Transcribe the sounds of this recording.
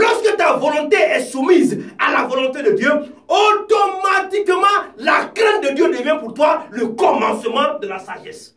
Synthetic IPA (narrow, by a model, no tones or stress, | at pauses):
lɔʁskət̪avɔlɔ̃t̪eɛsumizalavɔlɔ̃t̪ed̪əd̪jøot̪ɔmat̪ikmɑ̃lakʁɛ̃t̪̚d̪əd̪jød̪əvjɛ̃puʁt̪waləkɔmɑ̃səmɑ̃d̪əlasa̰ʒɛ̰s